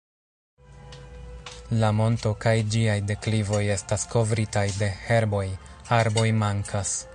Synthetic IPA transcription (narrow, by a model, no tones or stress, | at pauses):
lamo̞nto̞kajd͡ʒiajde̞klivo̞je̞stasko̞vɾitajde̞he̞ɾbo̞j | aɾbo̞jmaŋkʰas